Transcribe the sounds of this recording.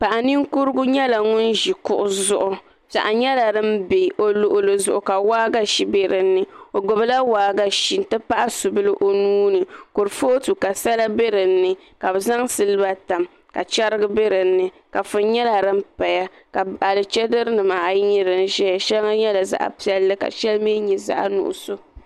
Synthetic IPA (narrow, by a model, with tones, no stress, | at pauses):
pa˨ʔa˨ni˦ŋku˦ɾɨ˦ɡʊ˦ɲɛ˦la˨ŋʊ˦n˦ʒi˨kʊ˦ʔʊ˦zʊ˦ʔʊ˨ | za̰˨ʔa˨ɲɛ˦la˨ɾɨ˦m˦be˨ʔo˨lʊ˨ʔʊ˦lɨ˨zʊ˨ʔʊ˨ka˨waː˦ɡa˦ʃi˦be˦ɾɨ˨nːɨ˨o˨ɡo˨bɨ˦la˦waː˨˦ɡa˦ʃi˨n˨tɨ˦pa˦ʔa˦su˨bɨ˦lɨ˦ʔo˨nuː˦nɨ˨ko˨ɾfo˦tu˨ka˨sa˦la˦be˦ɾɨ˨n̩ː˦ɨ˨ | ka˨bɛ˨za˦ŋsɨ˦lɨ˦ba˦ta˨m | ka˨t͡ʃa˦ɾɨ˦ɡɨ˦be˦ɾɨ˨n̩ːɨ˨ | ka˨fʊ˦n˦ɲɛ˦la˨ɾɨ˦m̩˦pa˨ja˦ | ka˨a˨lɨ˨t͡ʃɛ˦dɨ˦ɾɨ˦nɨ˨maː˨jɲi˦ɾɨ˨n˦ʒɛ˦ja˨ʃɛ˦lŋa˦ɲɛ˦la˨za̰˨ʔa̰˨pi˦ɛ˦lːɨ˦ka̰˨ʃɛ˦lme˦ɲɛ˨za̰˦ʔa̰˦nṵ˨ʔʊ̰˨so˦